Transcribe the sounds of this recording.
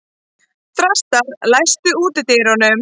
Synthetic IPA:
θɾast̪aɾlajst̪ʏuːt̪ɪt̪eɾɔnʏm

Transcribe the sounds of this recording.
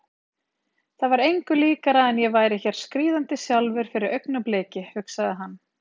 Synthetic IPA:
θavaɾejŋkʏliːkaɾaðɛnjɛvaːjɾɪçɛɾ̥skɾiːðant̪ɪsjalvɪɾ̥fɪɾɪɾœɥknapleːcɪfʏksaðɪɦanː

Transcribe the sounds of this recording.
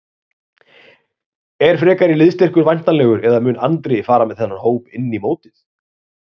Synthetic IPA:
ɛɾ̥fɾɛːkaɾɪlɪðst̪ɛr̥kʏɾvajn̥t̪anlɛːɣʏɾʔɛðamʏːnant̪ɾejfaːɾamɛðθɛnːahoːwpɪnːimoːwt̪ɪθ

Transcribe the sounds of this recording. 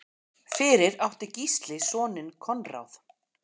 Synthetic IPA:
fɪːɾɪɾawht̪ɪcist̪lɪsɔːnɪnkʰɔnra̰wθ

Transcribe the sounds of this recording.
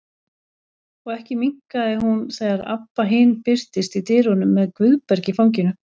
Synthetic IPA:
ɔɣɛhcɪmiŋ̥kaðɪɦunθɛːɣaɾa̰pːaɦɪːnpɪr̥t̪ɪst̪it̪ɪːɾɔnʏmːɛðkvʏðpɛɾcɪfawɲc̬ɪnʏ

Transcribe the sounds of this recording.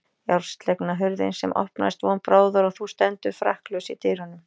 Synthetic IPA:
jawɾ̥st̪lɛknaɦʏɾðɪ̰nsɛmʔɔ̰hpna̰st̪vɔnpɾaːwðʏɾɔθust̪ɛnt̪ʏfɾa̰hklœwsit̪ʰɪɾhɔnːʏm

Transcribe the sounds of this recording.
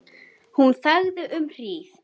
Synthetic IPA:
hunθaɣðʏʔʏmr̥iːθ

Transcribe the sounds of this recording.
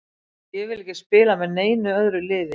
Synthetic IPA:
jɛɣvɪlɛhcɪspɪːlamɛðneːjnʏœðɾʏlɪːðɪ

